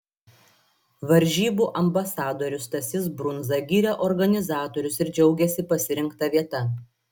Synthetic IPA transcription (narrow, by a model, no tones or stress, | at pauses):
ʋɐɾʲˑʒʲiːbuːʔɐmbɐsɑːd̪oːɾʲʊst̪ɐsʲɪsbɾʊnzɐɡʲiːɾʲɛʔɔɾɡɐnʲɪzɑːt̪ɔːɾʲʊsɪɾd͡ʒʲɛʊɡʲɛsʲɪpɐsʲɪɾʲɪŋˑkt̪ɐʋʲiɛt̪ɐ